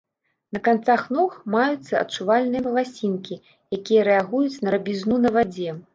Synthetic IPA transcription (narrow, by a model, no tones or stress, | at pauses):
nɐkant̪saxnɔxmajut̪sːɐɐ̰tt͡ʂuvalʲnɨjɐmɐlˠasʲinkʲi | jakʲijɐɾɛaɣujut͡sʲnɐɾɐbʲiznunɐvad͡zʲɛ